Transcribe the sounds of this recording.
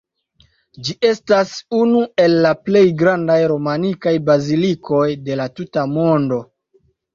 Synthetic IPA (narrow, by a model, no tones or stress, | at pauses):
d͡ʒiʔe̞stasunue̞lːaple̞jɡɾandajɾo̞manikajbazilikʰo̞jde̞latutamo̞ndo̞